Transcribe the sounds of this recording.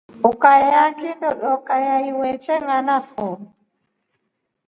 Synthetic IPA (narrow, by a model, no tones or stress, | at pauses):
ukajjakindɔɗɔkajaiwɛt͡ʃɛŋanafɔ